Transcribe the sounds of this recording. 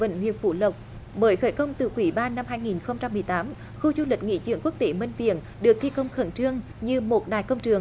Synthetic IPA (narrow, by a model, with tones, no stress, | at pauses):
ə̰˧˨nɦwḭ˧˨ənfu˧˩lə˨˩wk͡p̚ | ɓəː˨˦jxəː˧˩jkə˧wŋ͡mt̪ɨ˨˩kwi˧˩ɓaː˧nːa˧mɦaː˧jŋi˨˩nxə˧wŋ͡mt͡ɕa˧mːɨ˨˩əjt̪aː˨˦m | xu˧zu˧lï˨˩k̟̚ŋḭ˧˥t͡ɕɨ̰˧˨əŋku˦˥ək̚t̪e˨˦mi˧ŋ̟vḭ˧˨ən | ɗɨ˨˩ək̚t̪ʰi˧kə˧wŋ͡mxə˧˩nt͡ɕɨ˧əŋ | ɲɨ˧mo˨˩t̚ɗa̰ː˨˩jkə˧wŋ͡mt͡ɕɨ˨˩əŋ